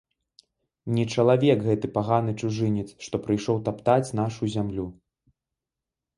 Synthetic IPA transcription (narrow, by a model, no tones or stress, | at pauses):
nʲɛt͡ʂɐlˠavʲɛkɣɛt̪ɨpaɣanɨt͡ʂuʐɨnʲɛt̪sʂt̪ɔpɾɨjʂɔwt̪apt̪at͡sʲn̪aʂuzʲamlʲu